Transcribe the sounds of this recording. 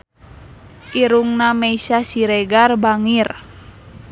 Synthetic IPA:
ʔiɾuŋnamɛisasiɾɛɡarbaŋir

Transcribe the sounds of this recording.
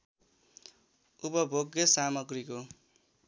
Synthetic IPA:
upʌbʱoɡjʌsamʌɡriko

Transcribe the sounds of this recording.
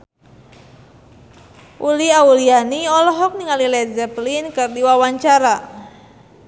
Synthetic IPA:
ʔuliaulianiɔlɔɦɔk̚niŋalilɛzɛplinkɨrdiwawaɲt͡ʃaɾa

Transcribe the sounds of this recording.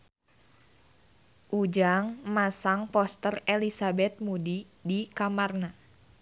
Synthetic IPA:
ʔud͡ʒaŋmasaŋpɔst̪ərelisabɛt̪̚mudi | dikamarna

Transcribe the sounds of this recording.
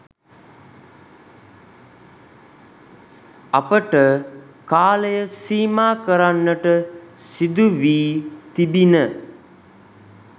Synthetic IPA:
apəʈə | kaːləjəsiːmaːkəɾanːəʈəsid̪uʋiːt̪ibinə

